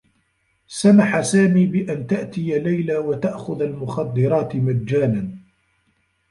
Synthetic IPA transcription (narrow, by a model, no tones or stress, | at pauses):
samaħasaːmiːbɪʔant̪aʔt̪ɪjalajlaːwat̪aʔxʊðalmʊxɑd̪ːɪɾˤɑːt̪ɪmadːaːnan